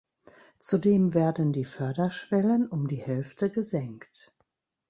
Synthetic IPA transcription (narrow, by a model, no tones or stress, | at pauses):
t͡sudeːmveːɐdən̩diːfœɐdɐʃv̥ɛlənʊmdiːhɛlftʰəɡəzɛŋkt